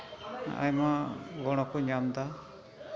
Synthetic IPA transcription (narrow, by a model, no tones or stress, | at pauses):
a̰jmaɡɔɽ̃ɔkɔɲamd̪a